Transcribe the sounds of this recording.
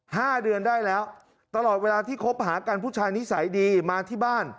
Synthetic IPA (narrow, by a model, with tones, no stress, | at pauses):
haː˥˩dɯ˧əndaː˥˩jlɛː˦˥w | t̪a˧lɔː˨˩t̪̚weː˧laː˧t̪ʰiː˥˩kʰo˦˥p̚ɦaː˩˦kaː˧npʰuː˥˩t͡ɕʰaː˧jni˦˥sa˩˦jdiː˧maː˧t̪ʰiː˥˩baː˥˩n